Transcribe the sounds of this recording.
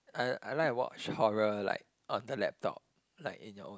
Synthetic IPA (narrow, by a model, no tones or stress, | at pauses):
aalaɪwɔ̰t͡ʃhɔɹəla̰ɪk̚ | ʔɔ̃ndəlɛ̰p̚tʰɔ̰p̚ | laɪkḭ̃njɔʔõ